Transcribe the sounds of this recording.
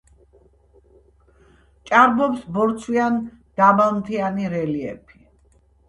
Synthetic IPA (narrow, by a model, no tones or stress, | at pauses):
t͡ʃʼaɾbɔpsbɔɾt̪sʰwian | d̪̥abalˠmt̪ʰianiɾɛliɛ̰pʰi̥